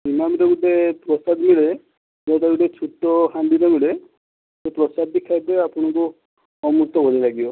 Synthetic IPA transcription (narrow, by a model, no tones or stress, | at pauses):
imamɾeɡuʈepɾɔsad̪miɭe | d͡ʒɔʈeɡuʈet͡ʃʰutɔhand̪inɔmiɭe | sepɾɔsad̪̚ːikʰajbeapuɽ̃ɔku | ɔmuɾt̪ɔkɔɾilaɡibɔ